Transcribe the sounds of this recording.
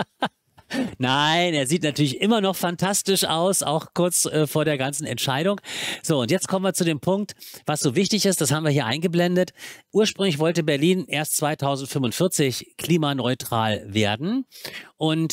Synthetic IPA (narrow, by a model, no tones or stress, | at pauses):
naɪneːɐziːtnatʰyːɐlɪçʔɪmɐnɔχfantʰastɪʃʔa̰ʊsa̰ʊxkʰʊɐt͡sʔɛːfoːɐɾeːɐɡant͡sn̩ɛ̰ntʃaɪɾʊŋz̥oːʊntjɛt͡stkʰɔmənviɐt͡sudeːmpʰʊŋk̚tv̥asz̥oːvɪçtɪçɪst̚d̥ashaːbm̩viːɐɦiːɐʔa̰ɪnɡəblɛndətʔuːɐʃpʁ̥ʏŋlɪçv̥ɔltəbɛɐliːnʔeːɐst͡sv̥aɪtʰaʊzn̩tfʏmʊntfɪɐt͡sɪçkʰl̥iːmanɔʏtʁ̥aːlveːɐdn̩ʔʊnt